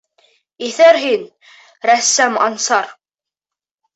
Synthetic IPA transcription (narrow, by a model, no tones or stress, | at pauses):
iθæɾɦin | ɾæsːæmɑnsɑɾ